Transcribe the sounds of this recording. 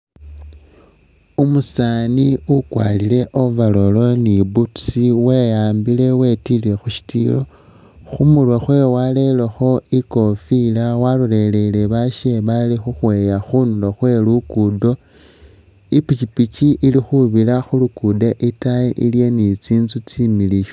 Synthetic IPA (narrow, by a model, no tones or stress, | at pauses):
umusaniukwa̰lile̞ʔovalo̞lo̞nibutsiwe̞jaːmbile̞we̞tile̞xuʃi̥tḭlo̞ | xumulwexwe̞wale̞lexo̞iko̞filawalule̞le̞le̞βaʃeβalixuxwe̞jaxunuloxwe̞lukudo̞ | ipit͡ʃipit͡ʃiʔːlixuβilaxulukudeʔitajeʔilje̞nit͡siːnzut͡similiʃ